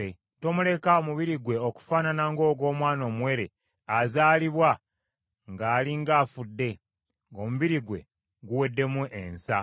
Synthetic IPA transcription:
e | to̞mule̞kaomuβiɾiɡwe̞oku̥faːnanaŋɡo̞ːɡo̞ːmwaːno̞ːmwe̞ɾe̞ | azaːliβwa | ŋɡaːliŋɡaːfudːe̞ | ŋɡo̞muβiɾiɡwe̞̰ | ɡuwe̞dːe̞muʔensa

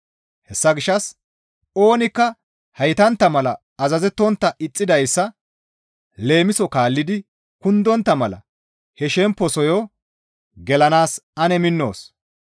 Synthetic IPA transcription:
hɛsːɐɡɪʃːɐs | o̞ːnɪkːɐ | hɐjt̪ɐnt̪ːɐmɐlɐː | zɐzɛt̪ːɔnt̪ːɐʔɪt͡sʼːɪd̪ɐjsːɐ | le̞ːmɪsɔkaːlːɪd̪ɪ | kʊnd̪ɔnt̪ːɐmɐlɐ̰ | hɛʃɛmpːɔsɔjɔ | ɡɛlɐnaːsɐnɛmɪnːo̞̰ːs

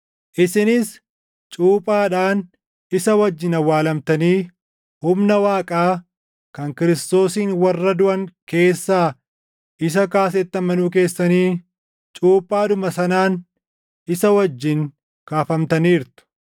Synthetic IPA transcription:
ʔɪsɪnɪs | t͡ʃʼuːpʼaːᶑaːn | ɪsɐwɐd͡ʒːɪnɐwːaːlɐmt̪ɐniː | hʊmnɐwaːkʼaː | kɐŋkɪɾɪst̪o̞ːsiːnwɐrːɐd̪ʊʔɐŋke̞ːsːaː | ɪs̬ɐkaːs̬ɛt̪ːɐmɐnuːk̬e̞ːsːɐniː | t͡ʃʼuːpʼːaːᶑʊmɐsɐnaːn | ɪsɐwɐd͡ʒːɪŋ | kaːfɐmt̪ɐniːɾt̪ʊ̥

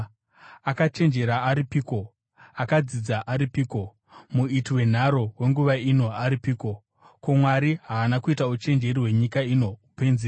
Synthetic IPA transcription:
akat͡ʃe̞nd͡ʒe̞ɾaːɾipiːko̞ | akad͡zid͡zaʔaɾipiːko̞ | muitiwe̞n̤aɾo̞we̞ŋɡuʋaino̞aɾipiːko̞ | komwaɾiɦaːnakuitaut͡ʃe̞nd͡ʒe̞ɾiwe̞ɲikaino̞upe̞nze

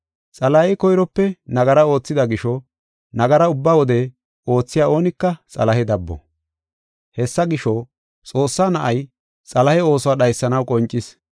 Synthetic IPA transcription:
t͡sʼɐlɐhɛkɔjɾɔpːɛnɐɡɐɾɐo̞ːt͡sːɪd̪ɐɡɪʃɔ | nɐɡɐɾɐʊbːawɔd̪ɛ | o̞ːt͡sːɪjaːo̞ːnɪkːɐt͡sʼɐ̰lɐhɛd̪ɐbːɔ̰ | hɛsːɐɡɪʃɔ | t͡sʼo̞ːsːaːnɐʔɐj | t͡sʼɐlɐhɛo̞ːsɔwaːɗɐjsːɐnɐwkʼɔnt͡ʃʼːɪs

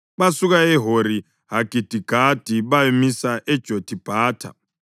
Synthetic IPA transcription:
ɓasukaeɦoɾi | ɦaɡ̥ʱid̥ʱiɡ̥ʱad̥ʱiβaemisaʔɛd̥ʒ̥ʱod̥ʱib̥ʱaːtʰa̰

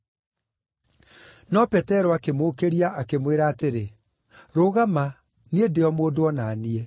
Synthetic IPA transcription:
nɔpɛtɛɾɔakemoːkeɾiaʔakemweɾaːteɾe | ɾoɣama | niedeɔmoːdoɔnaːnie

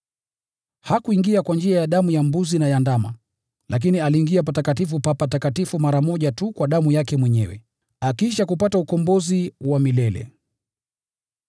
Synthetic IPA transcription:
hakuiŋɡiakwand͡ʒiajaɗamujambuzinajandama̰ | lak̬inialiːŋɡiapatakatifupapatakatifumaɾamɔʄatukwaɗamujakɛmwɛɲɛwɛ̰ | akiʃakupataukɔmbɔziwamilɛlɛ̰

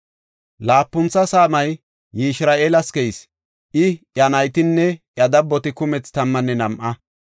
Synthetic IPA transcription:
laːpːʊnt͡sːɐsaːmɐjː | ɪʃɾaːʔeːlɐskɛjs | ʔɪʔjɐnɐjt̪ɪnːɛʔjɐd̪ɐbːɔt̪ɪkʊmɛt͡st̪ɐmːɐnːɛnɐmʔɐ

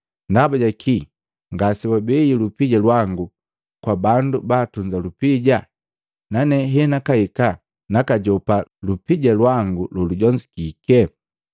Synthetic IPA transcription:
ndabaɟakʰi | ŋɡasiwabɛilupiɟalwaŋɡu | kwabandubaːtuɲd͡ʒalupiɟa | nanɛɦɛnakaika | nakaɟɔpalupiɟalwaŋɡululuɟɔɲd͡ʒikikɛ

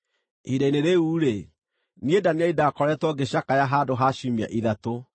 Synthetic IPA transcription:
idaineɾeuːɾe | niedaniaidakɔɾɛtwɔɡeɕakajaɦaːdoɦaɕumia̰ʔiðato

